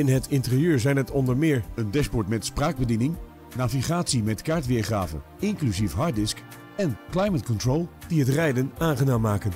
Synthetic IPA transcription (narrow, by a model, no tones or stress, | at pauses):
ɪnɦətʰɪntɪrijøːɹzɛjnɦətʰɔndəɹmɪːɹəndɛspɔɹtmɛtspraːɡ̚bədinɪŋ | naːviχaːtsimɛtkaːɹtʋɪːɹχraːvə̰n | ɪŋklyzifɦɑːɹdɪsk | ɛnklajmətkɔntrolˠd̥iɦətrɛjdənaːnχənaːmːaːkən